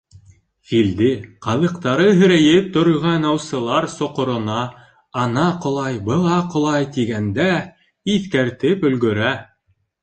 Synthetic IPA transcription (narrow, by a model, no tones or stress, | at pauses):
fild̪ɘqɑðɤ̆qt̪ɑɾɤɦɵ̆ɾæjɘp̚t̪ŏɾɤ̆ʁɑnɑwsɤ̆lˠɑɾsŏqŏɾŏnɑ | ɑnɑqŏlˠɑjbɤ̆lˠɑqŏlˠɑjt̪iɡænd̪æ | iθkæɾt̪ɘpɵ̆lɡɵ̆ɾæ